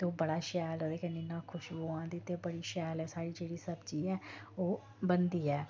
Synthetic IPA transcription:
t̪eoːbəɽaːʃɛːloːd̪eːkənɪnãːkʰʊʃboːãːd̪iːt̪ːebəɽiːʃɛːlɛːsaːɽiːd͡ʒeːɽiːsəbt͡ʃiːɛː | oː | bənd̪iːɛː

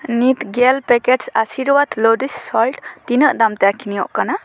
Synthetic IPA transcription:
nit̪ɡelpekeʈsasiɾwad̪lɔdisːɔlʈt̪inəʔdamtakʰinijɔʔkana

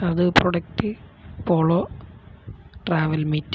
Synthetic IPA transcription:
ɐðɨproɽɐk̚tɨpoːɭo | ʈraːʋɐlmiːtː

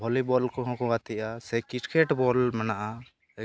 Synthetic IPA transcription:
bʱɔlibɔlkɔɦɔ̃kɔɡat̪ʰiʔasɛkit͡ʃkʰɛʈbɔlmɛnaʔa

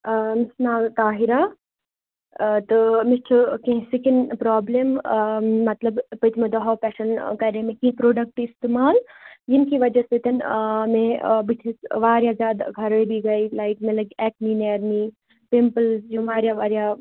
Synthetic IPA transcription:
mɪsnaːt̪aːɦiɾaː | t̪ɨmit͡ʃʰukẽsikɪnpɾaːblemː | ɐt̪lɐbpɐt̪ʰmẽd̪ɔɦaːpɛːʃɐnkɐɾemẽkipɾoːɖɐk̚ʈist̪emaːljinkiʋɐd͡ʒɐset̪ɐnmẽbit̪ʰisʋaːɾjazjaːd̪ɡʱɐɾebʱiɡɐilaːiʈmẽlɐɡɛːk̚miːneːɾmiː | pempəlzd͡ʒuʋaːɾjaʋaːɾja

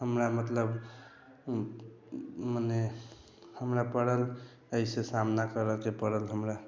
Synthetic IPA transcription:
həmɾamət̪ləb | mane | həmɾapəɽəl | əisesamnakəɾəld͡ʒepəɽəlɦəmɾa

